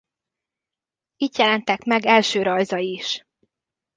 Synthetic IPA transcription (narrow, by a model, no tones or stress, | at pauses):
iːt̪jɛlɛnt̪ɛkmɛɡɛlʃøːɾɒjzɒiʃ